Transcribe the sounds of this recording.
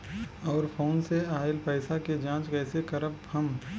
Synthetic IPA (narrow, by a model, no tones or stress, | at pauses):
ɔːɾpʰoːnseaːɪlpɛːɪsaked͡ʒãːt͡ʃkɛːsekəɾəp | əm